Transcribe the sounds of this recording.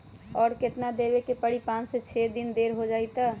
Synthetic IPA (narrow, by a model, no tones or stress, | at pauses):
ɔːɾket̪nad̪ebekepəɽipãːnset͡ʃʰed̪ind̪eːɾɦod͡ʒaːit̪a